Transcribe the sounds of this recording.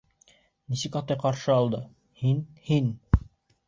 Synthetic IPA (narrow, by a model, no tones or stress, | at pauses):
nisɘkɑt̪ɤjqɑɾʃɤɑlˠd̪ɤ | hinhin